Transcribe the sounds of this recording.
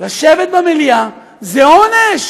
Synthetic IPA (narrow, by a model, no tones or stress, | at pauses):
laʃevet̪̚bamelija | zeoneʃ